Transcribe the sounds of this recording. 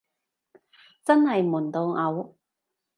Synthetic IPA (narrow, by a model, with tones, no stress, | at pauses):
t͡sɐ˥nhɐ˨jmuː˨˩nt̪o˨˧wŋɐ˨˧w